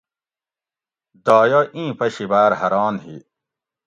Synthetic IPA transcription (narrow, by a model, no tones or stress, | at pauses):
d̪aːjoʔĩːpɐɕibaːɾhɐɾaːnɦḭ